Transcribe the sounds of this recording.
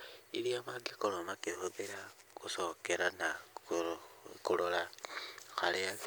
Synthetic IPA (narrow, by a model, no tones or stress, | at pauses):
iɾiamaɡikolomakihuβeɾa | kusokeɾana | kulola | xalea